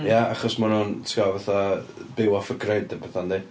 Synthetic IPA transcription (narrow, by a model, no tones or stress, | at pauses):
jaaχɔsmanuntʰɡavaθabɪwɔfəɡrejdəbʰɛθandi